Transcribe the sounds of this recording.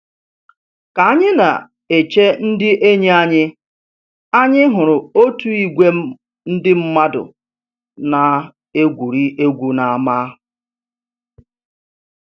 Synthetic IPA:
ka˨a˦ɲɪ˦na̰˨ | e˨t͡ʃe˦n̩˦dɪ˦ʔe˦ɲe˦a˦ɲɪ˦ | a˦ɲɪ˦ɦʊ˨ɾʊ˨o˦tu˦i˨ɡʷe˦ | n̩˦dɪ˦m̩˦ma˦dʊ̰˨ | na˨ | e˦ɡʷu˨ɾi˦ʔe˦ɡʷu˨na˨a˨ma˦

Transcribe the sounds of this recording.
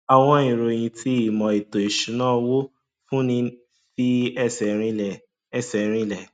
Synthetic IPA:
a˨w̃ɔ̃˧ĩ˨ɾo˨j̃ĩ˧ti˧i˨mɔ̃˨i˨to˨i˨ʃũ˨˦nãː˦˨wo˦ | fũ˦nĩ˧ | fi˦ɛ˦˨sɛ˨ɾĩ˧lɛ˨ | ɛ˧˨sɛ˨ɾ̃ĩ˧lɛ˨

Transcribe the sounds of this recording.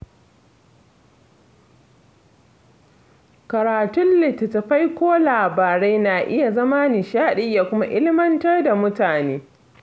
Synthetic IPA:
kɐ˨ɾaː˨tʊ˦nlɪ˨tɐ˨tɐ˨ɸa˦jkʷoː˦laː˨baː˨ɽe˦jnaː˨ʔɪ˦ja˨zɐ˦maː˦nɪ˨ʃaː˦ɗɪ˦jːa˨kʷʊ˦ma˦ʔɪ˦lɪ˦mɐ˦ntɐ˦rda˨mʊ˦taː˨neː˦

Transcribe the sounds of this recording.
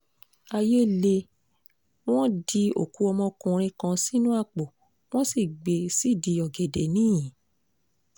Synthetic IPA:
a˧je˦le˧ | w̃ɔ̃˦di˧o˦˨ku˨˦ɔ˧mɔ̃˧kũ˧ɾ̃ĩ˧kã˧si˦nũ˦a˦˨k͡po˨ | w̃ɔ̃˦si˦˨ɡ͡be˨si˦˨di˨˧jɔ˨ɡe˨de˨nĩ˦jĩ˨

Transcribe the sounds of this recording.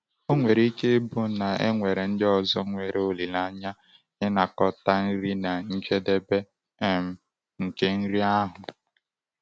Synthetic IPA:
o˦ŋʷe˨ɾe˦ke˦bʊ˦na˨ḛ˦ŋʷe˨ɾe˨n̩˦dɪ˦ɔ˨zɔ˦ŋʷe˨ɾʔe˨o˦li˨la˦ɲa˦ | ɪ˦na˨kɔ˨ta˦n̩˦ɾi˦na˨n̩˦d͡ʒe˦de˦be˦ | ɛ˦m̩˦ | ŋ̩˨ke˦n̩˦ɾi˦a˦ɦʊ˨

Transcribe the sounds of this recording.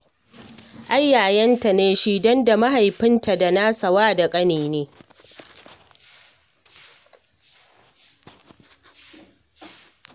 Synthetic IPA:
ʔa˦jːaː˨jɐ˦nta˨neː˦ʃi˦dɔ˦nda˨ma˦ha˨jɸɪ˦nta˨da˨naː˦sa˨waː˦da˨kʼɐ˦niː˨neː˦

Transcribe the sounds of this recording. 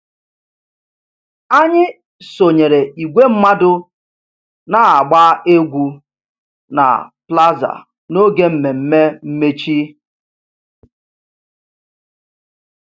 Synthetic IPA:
a˦ɲɪ˦ | so˨ɲe˨ɾe˨ʔi˨ɡʷe˦m̩˦ma˦dʊ˦ | na˦a˨ɡ͡baː˦e˦ɡʷu˦ | na̰˨pla˦za̰˨ | no˦ɡe˦m̩˨me˨m̩˦me˦m̩˦me˦t͡ʃi˦

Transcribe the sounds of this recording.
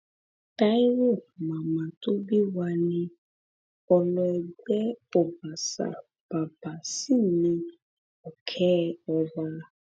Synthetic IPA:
ta˦i˦wo˦˨mã˨mã˨to˦bi˦wa˧nĩ˧ | ɔ˧lɔ˧ɛ˧ɡ͡bɛ˦ɔ˨ba˨sa̰˨ | b̥a˨ba˨si˦˨nĩ˧ | ɔ˨kʰɛ˦ɔ˧wa˧˦

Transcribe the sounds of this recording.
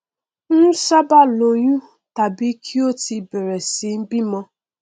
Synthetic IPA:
nu˦sa˦ba˦lo˨ɲu˦ | ta˨bi˦kʰi˦o˦ti˨be˨ɾe˨si˨m̩˦bi˦mɔ˧

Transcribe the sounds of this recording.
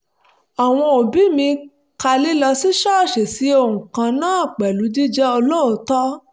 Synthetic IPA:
a˨w̃ɔ̃˧o˨bi˨˦mĩ˧ | ka˧li˦lɔ˧si˦ʃɔ˦˨ʃe˨si˨˦o˧˨hũ˨kã˧nãː˦˨k͡pɛ˨lu˨˦d͡ʒi˦d͡ʒɛ˦o˧lo˦o˦tɔ˦

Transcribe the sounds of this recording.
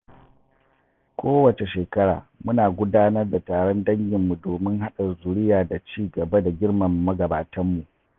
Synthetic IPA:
kʷoː˦wɐ˨t͡ʃe˨ʃeː˨kɐ˦ɽa̰ː˨mʊ˦naː˨ɡʷʊ˦daː˦nɐ˦rda˨taː˨ɽɔ˦ndɐ˦ŋɡʲɪ˨mːu˨doː˨mɪ˦ŋɦa˦ɗɐ˨zʊ˨ɽɪ˦jaː˨da˨t͡ʃiː˦ɡɐ˨ba˦da˨ɡʲɪ˦rmɐ˨mːɐ˦ɡɐ˨baː˨tɐ˦mːu˨ʔ

